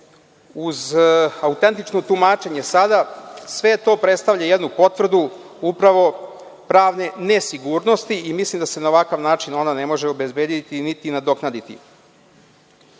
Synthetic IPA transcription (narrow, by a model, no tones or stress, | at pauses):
uzaut̪e̞nt̪it͡ʃno̞t̪umaːt͡ʃe̞ɲe̞sad̪asʋe̞t̪o̞pɾe̞t̪st̪avʎajed̪nupo̞t̪ʋr̩d̪u | upɾaʋo̞ | pɾaːʋne̞nesiɡuɾno̞st̪iimislˠimd̪ase̞nao̞ʋakaʋnaːt͡ʃino̞nane̞mo̞ʒeo̞be̞zbeːd̪it̪init̪inad̪o̞knad̪it̪ḭ